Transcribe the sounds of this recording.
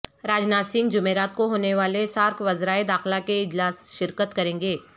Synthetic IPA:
ɾaːd͡ʒnaːsɪ̃ŋɡd͡ʒʊmeːɾaːt̪̚koɦoːneʋaːlesaːɾkʰʋɐzɾaːed̪aːxlakeɪd͡ʒlaːsʃɪɾkət̪kɐɾẽːŋɡeː

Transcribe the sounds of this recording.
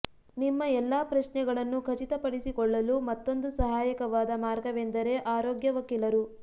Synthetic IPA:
nimːɐɛlːaːpɾɐʃɳɛɡɐɭɐnːukʰɐt͡ʃit̪ɐpɐɽisikɔɭːɐlumɐt̪ːo̞nd̪usɐɦaːjɐkɐʋaːd̪ɐmaːɾɡɐʋend̪ɐɾe̞ʔaːɾoːɡjɐʋɐkilɐɾu

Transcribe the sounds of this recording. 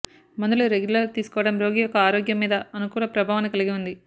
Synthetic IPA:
mɐnd̪uluɾeɡjulɐɾt̪iːsu̥kɔːʋɐɽɐmɾo̞ːɡiːjɔkːɐaːɾoːɡjɐmːiːd̪ɐːnukuːlɐpɾɐbʱaːʋɐnɐkɐliɡiund̪i

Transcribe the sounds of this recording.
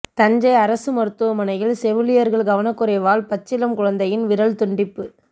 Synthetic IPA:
t̪ɐɲd͡ʒɐɪɐɾɐsɯmɐɾɯt̪ːɯʋɐmɐnɐjɪlsɛʋɯlɪjɐɾɣɐɭɡɐʋɐnɐkːɯɾɐɪʋaːlpɐt͡ʃːɪlɐmkʊɻɐnd̪ɐjɪnʋɪɾɐɭt̪ʊɳɖɪpːɯ

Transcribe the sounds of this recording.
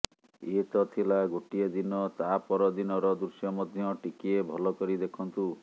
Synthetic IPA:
et̪ɔt̪ʰilaɡoʈied̪inɔt̪apɔɾɔd̪inɔɾɔd̪usjɔmɔd̪ʱjɔʈikiebʱɔlɔkɔɾid̪ekʰɔnt̪u

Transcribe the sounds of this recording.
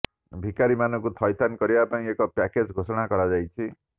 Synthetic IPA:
bʱikaɾimanɔkut̪ʰɔjt̪ʰankɔɾibapaĩekɔpaked͡ʒɡʱosɔɽ̃akɔɾad͡ʒajt͡ʃʰi

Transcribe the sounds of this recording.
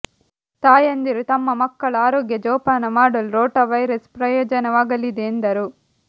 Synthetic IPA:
t̪aːjɐnd̪iɾut̪ɐmːɐmɐkːɐɭɐaːɾɔːɡjɐd͡ʒɔːpaːnɐmaːɽɐlɾoːʈɐʋɐjɾɐspɾɐjɔːd͡ʒɐnɐʋaːɡɐlid̪eːnd̪ɐɾu

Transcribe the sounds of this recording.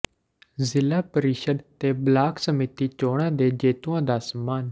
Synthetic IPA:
zɪlaːpəɾɪʃəd̪t̪eːblaːksəmiːt̪iːt͡ʃoːɽ̃ãːd̪eːd͡ʒeːt̪uːãːd̪aːsəmaːn

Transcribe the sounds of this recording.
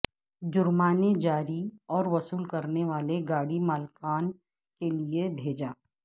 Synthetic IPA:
d͡ʒʊɾmaːned͡ʒaːɾiɔːɾʋɐsuːlkɐɾneʋaːleɡaːɽimaːlkaːn | keliebʱeːd͡ʒaː

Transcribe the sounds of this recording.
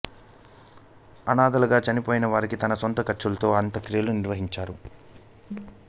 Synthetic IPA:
ɐnaːd̪ɐlɐɡaːt͡ʃɐnipoːjinɐʋaːɾikit̪ɐnɐsont̪ɐkɐt͡ʃːulɐt̪o̞ːɐnt̪ɐkɾijɐluniɾʋɐɦiɲt͡ʃaːɾu

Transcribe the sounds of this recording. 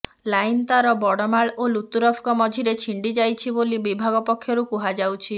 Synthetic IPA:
lajnt̪aɾɔbɔɽɔmaɭolut̪uɾɔpʰkɔmɔd͡ʒʱiɾet͡ʃʰiɳɖid͡ʒajt͡ʃʰibolibibʱaɡɔpɔkʰːjɔɾukuɦad͡ʒawt͡ʃʰi

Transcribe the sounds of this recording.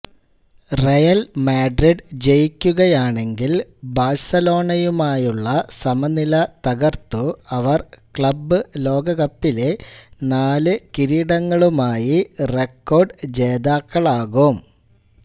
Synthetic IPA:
rɐjɐlmaːɖriɖd͡ʑejikʲːuɣɐjaːɳe̞ŋɡilbaːrsɐlo̞ːɳɐjumaːjuɭːɐsɐmɐnilɐt̪ɐɣɐrt̪uɐʋɐrkɭɐbːɨlo̞ːɡɐɣɐpːile̞naːlɨkiɾiːɽɐŋːɐɭumaːjirekːo̞ːrɖd͡ʑeːd̪aːkːɐɭaːɣum

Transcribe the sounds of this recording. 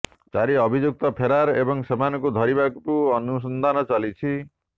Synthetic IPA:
t͡ʃaɾiɔbʱid͡ʒuk̚t̪ɔpʰeɾaɾebɔŋsemanɔkud̪ʱɔɾibakkuɔnus̬ɔnd̪ʱanɔt͡ʃalit͡ʃʰi

